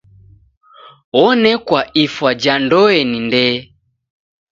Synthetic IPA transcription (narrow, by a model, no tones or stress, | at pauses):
ɔnɛkwaifwad͡ʒandɔɛnindɛ